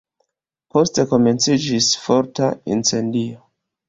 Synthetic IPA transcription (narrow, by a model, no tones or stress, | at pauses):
po̞ste̞ko̞me̞nt͡sid͡ʒisfo̞ɾtaḭnt͡se̞ndio